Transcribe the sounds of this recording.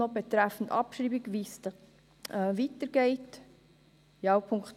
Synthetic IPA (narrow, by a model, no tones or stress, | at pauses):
ɔbet̪ɾæfn̩tɑ̰pʃɾiːbiɡʋis | vitəɾɡ̥ɛɪt | jɑwpʰʊŋkχt